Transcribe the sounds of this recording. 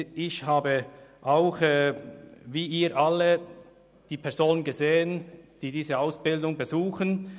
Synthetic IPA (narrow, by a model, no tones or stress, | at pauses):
ɪçhaːbəʔaʊxɛːviːiːɾʔalə | d̥iːpʰɛɐz̥oːnənɡəzeːənd̥iːdiːzəaʊsb̥ɪldʊŋbəzuːxən